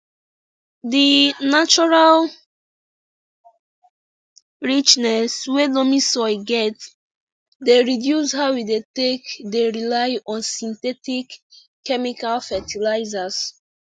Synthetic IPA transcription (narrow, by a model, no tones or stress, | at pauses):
dinat͡ʃɔɹal | ɹit͡ʃnɛswelomĩsɔɪɡɛt | deɹidjushawwidetekdeɹilaɪɔ̃nsĩntɛtikː | ɛmikalfɛtilaɪzas